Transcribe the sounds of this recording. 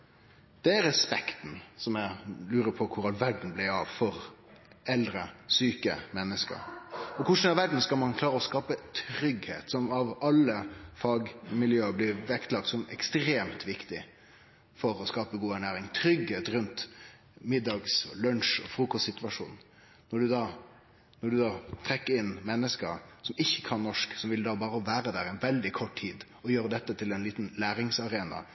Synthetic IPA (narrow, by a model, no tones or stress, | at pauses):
d̪̥ɛæɾɛspɛkt̪n̩sɔmjælʉːɾəpʰɔkʰʊɾɑlʋæɖɳ̩blɪɑʋfɔɾ | ɛld̪ɾəsyːkə̰mɛnːəskə̰ɾɔkʰʊʂn̩ɑʋæɖn̩skɑlmɑnkʰlɑːɾəɔskɑːpət̪ʰɾʏɡhḛːt̪sɔmɑʋɑlːəfɑɡmɪljøːəblɪʋɛkt̪lɑk̚t̪sɔmɛ̰kst̪ɾeːmt̪ʋɪkt̪ɪ | fɔɾɔskɑːpəɡuːæɳæːɾɪŋt̪ʰɾʏɡheːt̪ɾʉnt̪ | mɪd̪ːɑɡsɔ̰lœnʂɔ̰fɾuːkɔst̪sɪt̪ʋɑʂṵːn | nɔɖʉd̪ɑː | nɔɖʉd̪ɑːt̪ʰɾɛkːəɾɪnmɛnːəskəɾsɔmɪçːə̥kʰɑnnɔʂksɔmʋɪld̪ɑːbɑːɾəɔʋæːɾəd̪æɾɛnʋɛld̪ɪkʰɔʈtʰiːd̪ | ɔjøːɾəd̪ɛt̪ːət̪ʰɪlɛnliːt̪n̩læːɾɪŋsɑɾeːnɑ̰